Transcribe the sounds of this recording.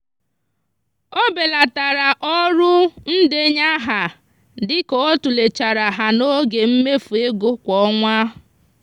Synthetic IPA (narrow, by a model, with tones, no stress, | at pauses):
o˦be˨la˨ta˨ɾa˨ʔɔ˦ɾʊ˦n̩˦de˦ɲa˦ɦa˨ | dɪ˦kɔ˨o˦tu˨le˨t͡ʃa˨ɾa˨ɦa˨no˦ɡe˨m̩˦me˦fu˨e˦ɡo˦kʷɔ˦ŋʷa˦